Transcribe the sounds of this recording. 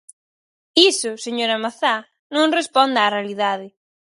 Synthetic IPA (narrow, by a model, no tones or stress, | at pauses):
isʊseɲoɾamaθa | nõŋrespɔnd̪aːrealiðaðɪ